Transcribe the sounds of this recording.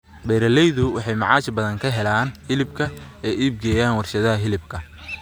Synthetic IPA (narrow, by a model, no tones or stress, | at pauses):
bɛːɾɐlɛjðʊwɑħɑjmɑʕɑːt͡ʃbɐðɐŋkʰɐɦɛlaːnhɪlɪbkʰɐɛːʔiːb̚ɡɛːjaːnwɑrʃɐðɐɦɐɦɪlɪb̚kʰɐ